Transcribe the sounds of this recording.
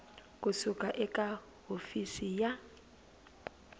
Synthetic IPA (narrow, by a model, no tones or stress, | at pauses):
kʼusukʼaʔɛkʼa | ɦofisija